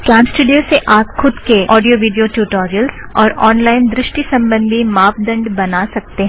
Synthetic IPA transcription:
kãːmsʈuːɖijoseʔaːpxʊd̪keʔɔːɖijoʋiːɖijoʈjuːʈɔːɾijəlzɔːɾɔːnlaːɪnd̪ɾɪʃʈisɐ̃mbə̃nd̪ʱimaːpd̪ɐ̃ɳɖbɐnasɐk̚t̪eɦɛ̃

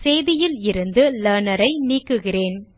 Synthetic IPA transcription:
sejðɪjɪlɪɾɯnd̪ɯlɐːnɐɾɐɪniːkːɯɣɪreːn

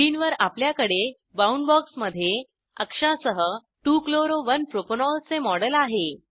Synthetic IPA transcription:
iːnʋəɾapljakəɽe | bauɳɖbɔksməd̪ʱːje | əkʂasəɦə | ʈuːkloɾoʋənpɾoponɔlt͡semɔɽəlaɦe

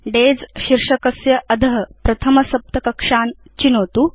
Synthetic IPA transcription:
ɖeːd͡zɕiɾʂɐkɐsjɐʔɐd̪ʱɐɦɐpɾɐt̪ʰɐmɐsɐp̚t̪ɐkɐkʂaːn | t͡ɕinoːt̪uː

